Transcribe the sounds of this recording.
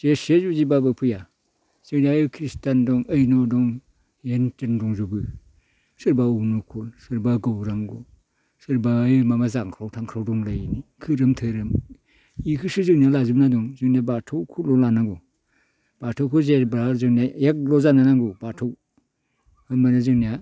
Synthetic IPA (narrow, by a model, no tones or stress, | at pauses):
zesezuzibabapʰɯja | z̥ɯnakʰɾistandɔŋɯjnɔdɔŋ | entɯndɔŋzubɯ | sɯɾbaunukʰulsɯɾbaɡɯwɾaŋɡɔ | sɯɾbamamazaŋkʰɾawtʰaŋkʰɾawdɔŋlajnikʰɯɾɯmtʰɯɾɯm | ikʰɯsɯzɯŋnijalazumnadɔŋzɯŋniabatʰawkʰulɔlanaɡɔ | b̥atʰɔwkʰɯzebɾazɯŋniajak̚lɔzananaŋɡubatʰɔw | hɯnmanazɯŋnija